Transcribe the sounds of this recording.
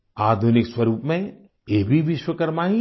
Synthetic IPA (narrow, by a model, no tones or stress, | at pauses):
aːd̪ʱunɪkswɐɾuːpmẽ | eːbʱiʋɪʃwəkɐɾmaːɦĩ